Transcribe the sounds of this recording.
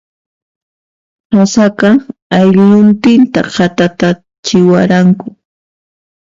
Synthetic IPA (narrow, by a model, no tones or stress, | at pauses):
hasakɑajʎʎʊnt̪ɪnt̪aqɑt̪at̪a | t͡ʃɪwaɾaŋkʊ